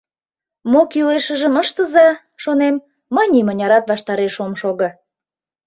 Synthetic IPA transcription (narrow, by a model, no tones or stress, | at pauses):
mokjyleʃəʒəməʃt̪əzɑ | ʃonemː | ɑnʲimə̆nʲɑɾɑt̪βɑʃt̪ɑɾeʃomʃoɣɤ̆